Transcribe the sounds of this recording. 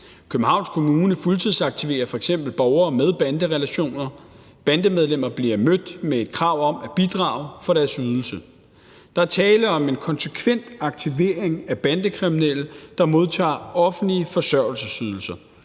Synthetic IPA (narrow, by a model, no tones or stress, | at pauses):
kʰøb̥n̩ɦɑ̈ʊ̰nskʰo̝muːnəfult͡sʰiðˠsɑ̈ɡ̥̚t͡sʰiʋe̝̰ːɐfɒ̽eɡ̥sem̰b̥l̩b̥ɒʊɐːmeð̞ˠb̥ænd̥əʁɛlæɕo̝̰ːnɐ | b̥ænd̥əmeð̞ˠlem̰ɐb̥liɐmød̥mee̝d̥kʰʁɑ̈ʊ̰ɒ̽mæb̥id̥ʁɑ̰̈ːʊfɒ̽ɾ̥æɐsyð̞ˠl̩sə | d̥ɑ̈æɐt͡sʰɛːləɒ̽me̝nkʰɒ̽nsəkʰʋen̰d̥ɑ̈ɡ̥̚t͡sʰiʋe̝̰ːɐeŋæb̥ænd̥əkʰʁiminel̰əd̥ɑ̈mo̝ð̞ˠt͡sʰɑ̰̈ːɒ̽fn̩liəfɒ̽sɶɐ̰l̩səsyːð̞ˠl̩sɐ